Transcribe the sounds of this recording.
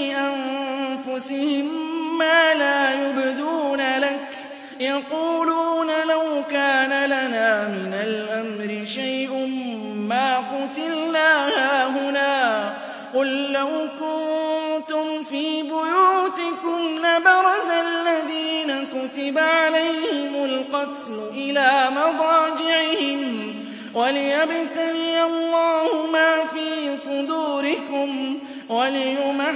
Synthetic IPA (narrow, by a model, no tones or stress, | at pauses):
ɪʔanfʊsɪhɪmːaːlaːjʊbɪd̪uːnalak | jɑquːluːnalawkaːnalanaːmɪnalʔamɾɪʃajʔʊːaːqʊt̪ɪlnaːhaːɦʊnaː | qʊlːawkʊnnt̪ʊmfiːbʊjuːt̪ɪkʊmnabɑɾˤɑzalːaðiːnakʊt̪ɪbaʕalajhɪmʊlqɑt̪lʊʔɪlaːmɑd̪ˤɑːd͡ʒɪʕɪhɪnn | walɪjabɪt̪aniːɑlːɑːhʊmaːfiːsˤʊd̪uːɾɪkʊm | walɪjʊma